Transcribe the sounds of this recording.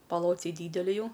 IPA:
pɐˈlˠoːt͡sʲɛɪ ˈdʲiːdʲɛlʲɪ ˈjɛʊ

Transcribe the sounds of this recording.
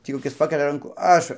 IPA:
ˈtʲiː koːˈkʲɪs ˈpɑːkʲɛlʲɛ ˈrɐŋkuː ˈɐʃ

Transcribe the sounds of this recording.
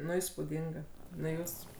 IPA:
ˈnʊ iːspuːˈdʲɪŋɡɐ ˈnʊ ˈjuːs

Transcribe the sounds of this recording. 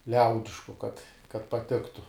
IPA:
ˈlʲɛʊdʲɪʃkʊ kɐt kɐt pɐˈtʲɪktʊ

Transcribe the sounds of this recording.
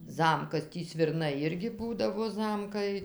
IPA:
ˈzɐmkɐs ˈtʲiː sʲʋʲɪrˈnɐɪ ˈɪrʲɡʲɪ ˈbuːdɐʋoː ˈzɐmkɐɪ

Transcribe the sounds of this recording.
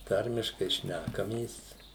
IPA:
ˈtɐrʲmʲɪʃkɐɪ ˈʃʲnʲækɐmʲeːs

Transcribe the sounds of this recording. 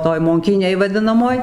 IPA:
ˈtoːj moːŋʲˈkʲiːnʲeːj ʋɐˈdʲɪnɐmoːj

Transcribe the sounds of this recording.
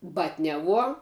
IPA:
ˈbɑːtʲnʲɛˌʋuɔ

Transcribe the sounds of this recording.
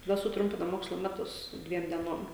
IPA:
tɐˈdɐ sʊˈtrʊmʲpʲɪnɐ ˈmoːkslˠoː ˈmʲæːtʊs ˈdʲʋʲiɛm dʲiɛˈnoːm

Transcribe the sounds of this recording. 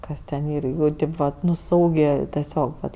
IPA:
ˈkɐs tʲɛn ˈiːr ˈjuː ˈtɐɪp ʋɐt ˈnʊ ˈsɐʊɡʲeː tʲɛˈsʲoːk ʋɐt

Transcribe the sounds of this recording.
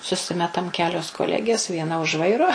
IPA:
sʊˈsʲɪmʲɛtɐm ˈkʲæːlʲoːs koːˈlʲæːɡʲeːs ʋʲiɛˈnɐ ʊʃ ˈʋɐɪroː

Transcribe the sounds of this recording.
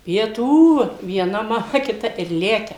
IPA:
pʲiɛˈtuː ʋʲiɛˈnɐ mɐˈmɐ kʲɪˈtɐ ɪr ˈlʲæːkʲɛ

